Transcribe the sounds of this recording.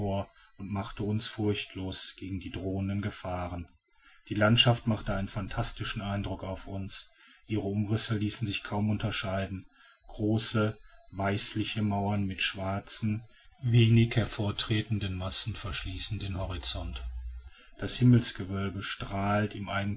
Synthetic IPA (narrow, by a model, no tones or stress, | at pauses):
oːɐ | ʊntmaχtəʊnsfʊɐçtʰloːsɡ̥eːɡŋ̩diːdʁoːəndənɡəfaːʁən | d̥iːlantʃaftmaχtəʔaɪnənfantʰastɪʃn̩ʔaɪndʁʊkaʊfʊns | ʔiːʁəʊmʁɪsəliːsn̩zɪçkʰaʊmʊntɐʃaɪdn̩ | ɡ̥ʁoːsəvaɪslɪçəmaʊɐnmɪtʃv̥aɐt͡sn̩ | veːnɪçhɛɐfoːɐtʁ̥eːtn̩dənmasn̩fɛɐʃliːsn̩dənhɔʁit͡sɔnt | d̥ashɪml̩sɡ̥əvœlbəʃtʁ̥aːltɪmʔaɪɡŋ̩